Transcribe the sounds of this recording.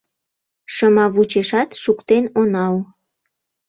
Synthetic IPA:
ʃəmɑβut͡ɕeʃɑt̪ʃukt̪enonɑl

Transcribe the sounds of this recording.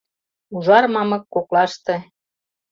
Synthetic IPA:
uʒɑrmɑmɤ̆kːoklɑʃt̪ĕ

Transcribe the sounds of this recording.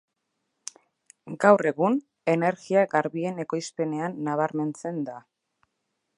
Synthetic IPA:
ɡawre̞ɣun | e̞ne̞ɾɣiaɡaɾβie̞ne̞ko̞jspe̞ne̞anːaβ̞aɾme̞nt͡se̞nd̪a

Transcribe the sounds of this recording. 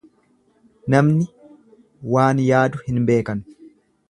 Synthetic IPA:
nɐmnɪ | waːnjaːd̪ʊhɪnbe̞ːkɐn

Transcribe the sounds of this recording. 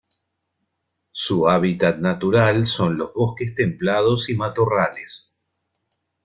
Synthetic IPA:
suaβit̪at̪̚nat̪uɾalso̞nlo̞zβo̞hkest̪e̞mplað̞osimat̪orales

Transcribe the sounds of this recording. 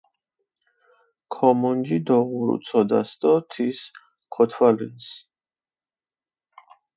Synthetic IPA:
kʰɔmɔnd͡ʒid̪ɔʁuɾṵt̪sʰɔd̪a̰st̪ɔt̪ʰis | kʰɔt̪ʰwalḭns

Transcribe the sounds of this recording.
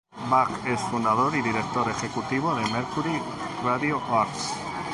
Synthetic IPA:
bakesfund̪aðo̞ɾiðiɾe̞k̚t̪o̞ɾe̞xe̞kut̪iβ̞oðe̞meɾkuɾi | raðioʔaɾk

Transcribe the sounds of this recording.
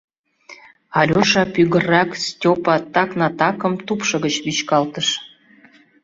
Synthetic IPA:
ɑlʲoʃɑpyɣərɑkstʲopɑt̪ɑknɑt̪ɑkə̆mt̪upʃɤ̆ɣət͡ɕβit͡ɕkɑlt̪əʃ

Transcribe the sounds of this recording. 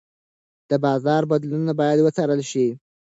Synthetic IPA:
d̪̥əbɑzɑɾbad̪lunabɑjad̪wət͡sɑɾəlʃi

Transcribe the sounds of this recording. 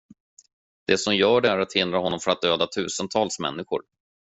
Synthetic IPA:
d̪̥ɛsɔmjœːɖɛæɾat̪hɪnd̪ɾaɦɔnːɔmfœɾat̪̚d̪øːd̪at̪ʰʉ̟ːsənt̪ʰɑːlsmɛ̰nːɪɧʊ̰ɾ

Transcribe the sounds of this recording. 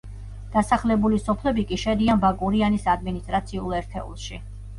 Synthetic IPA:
d̪̥asaχlɛbulisɔpʰlɛbikʼiʃɛd̪ianbakʼuɾianisad̪minist̪ʼɾat̪sʰiulˠɛɾt̪ʰɛṵlˠʃi

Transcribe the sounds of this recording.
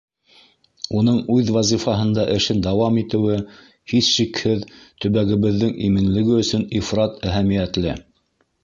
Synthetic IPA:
unɤɴʉðvɑzifɑɦɤ̆nd̪ɑʔɘ̆ʃɘnd̪ɑwɑmit̪ɘ̆wɘ | hiθʃikhɘðt̪ɵ̆βæɡɘ̆βɘ̆ðːɘŋʔimɘ̆nlɘ̆ɡɘɵ̆sɵnifrɑt̪æɦæmijæt̪lɘ

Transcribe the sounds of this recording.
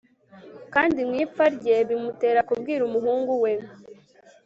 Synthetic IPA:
kaːndimŋiːfaɾɟe̞βimute̞ːɾakubɡiːɾumuɦuːŋɡuwe

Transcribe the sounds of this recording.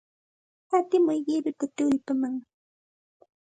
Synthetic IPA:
kat̪ɪmʊjɢɪɾɪt̪at̪ʊʎpamaŋ

